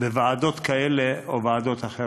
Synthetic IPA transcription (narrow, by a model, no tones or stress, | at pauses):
bevaːd̪o̞t̪kaeleʔovaːd̪o̞t̪aχe